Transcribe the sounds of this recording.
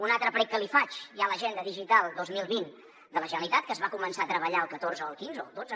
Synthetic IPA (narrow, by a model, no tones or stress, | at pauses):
unalˠt̪ɾəpɾɛk̚kəlifat͡ʃialəʒɛnd̪əðiʒit̪alˠd̪ozmilˠβin | d̪ələʒənəlit̪at̪̚kəzβakumənsaət̪ɾəβəʎaəlˠkət̪orzəəlˠkinzood͡zə